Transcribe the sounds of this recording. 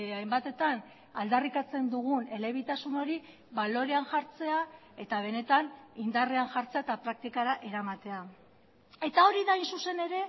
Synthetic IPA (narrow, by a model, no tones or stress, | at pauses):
ajmbat̪e̞t̪an | ald̪arikat͡se̞nd̪uɣ̞une̞le̞β̞it̪asuno̞ɾi | βalo̞ɾe̞anʝaɾt͡se̞a | e̞t̪aβ̞e̞ne̞t̪anind̪areaŋʝaɾt͡se̞aet̪apɾak̚t̪ikaɾaʔe̞ɾamat̪e̞a | e̞t̪ao̞ɾiðajnsuse̞ne̞ɾe̞